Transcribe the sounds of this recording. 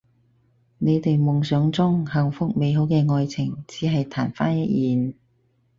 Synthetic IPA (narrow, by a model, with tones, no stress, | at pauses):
ne˨˧jt̪e˨jmʊ˨ŋsœː˨˥ŋt͡sʊ˥ŋhɐ˨˩ŋfʊ˥k̚me˨˧jɦo˨˥wkɛː˧ŋɔː˧jt͡sʰɪ˨˩ŋt͡siː˨˥ɦɐ˨jt̪ʰaː˨˩nfaː˥njɐ˥t̚jiː˨˧n